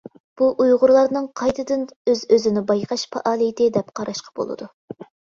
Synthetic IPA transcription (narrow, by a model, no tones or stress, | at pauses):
b̥uʔujʁʊɾlˠɑɾnɨŋqʰɑjt̪ʰɨd̪ɨnøzøzɪnɪbɑjqʰɑʃpʰɑ̰ʔɑːlˠɨjɪt̪ʰɪd̪ɛp̚qʰɑɾɑʃqɑ̥b̥o̰lˠɨ̰d̪u